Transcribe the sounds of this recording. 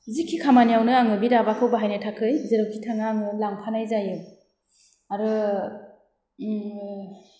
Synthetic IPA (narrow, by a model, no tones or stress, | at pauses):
zikʰːikʰamanijawnɯaŋɯbiɾabakʰɯwbaɦajnɯtʰakʰɯjzɯɾɯwkʰitʰaŋaːŋɯlaŋpʰanajzajɯ | aɾɯ